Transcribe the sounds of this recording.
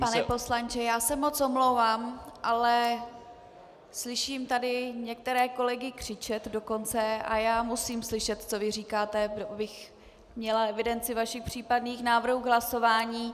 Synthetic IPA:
panɛpo̞slant͡ʃɛjaːsɛmo̞t͡somlo̞wvaːmʔalɛ | slɪʃiːmt̪adɪɲɛk̚t̪ɛɾɛːko̞lɛɡɪkr̝̥ɪt͡ʃɛt̪do̞ko̞nt͡sɛa̰jaːmusiːmslɪʃɛt̪t͡so̞vɪriːkaːt̪ɛbobɪx | mɲɛlaɛvɪdɛnt͡sɪvaʃɪxpr̝̥iːpadniːxnaːvr̩ɦuːɡɦlaso̞vaːɲiː

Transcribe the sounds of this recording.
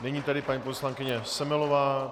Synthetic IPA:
nɛɲiːt̪adɪpaɲiːposlaŋkɪɲɛsɛmɛlovaː

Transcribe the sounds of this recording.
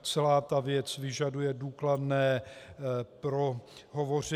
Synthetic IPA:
t͡sɛlaːt̪avjɛt͡svɪʒadujɛduːkladnɛː | pɾoɦovo̞r̝ɪ

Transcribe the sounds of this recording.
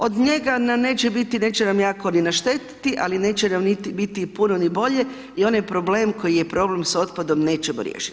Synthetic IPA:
o̞d̪ɲe̞ɡanamne̞ːt͡ʃebit̪ine̞ːt͡ʃenamjaːko̞ninaʃt̪e̞t̪i̥t̪iʔa̰line̞ːt͡ʃenamnit̪ibit̪ipunonibo̞ʎe̞ | ionajpɾo̞ble̞ːmko̞jijepɾo̞ble̞mso̞t̪pad̪o̞mne̞ːt͡ɕemṵɾjḛːʃi̥t̪

